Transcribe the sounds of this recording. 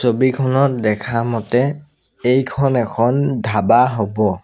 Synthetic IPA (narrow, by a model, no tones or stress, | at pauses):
sobikʰɔnɔt̚dɛkʰamɔtɛ | ejkʰɔnɛkʰɔndʱabaɦobɔ